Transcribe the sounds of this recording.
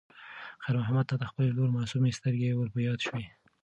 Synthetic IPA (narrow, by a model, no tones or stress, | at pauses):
xaɾmʊɦamad̪̚t̪ːɑd̪əxpəleloɾmɑsumest̪əɾɡewəɾpəjɑd̪ʃwe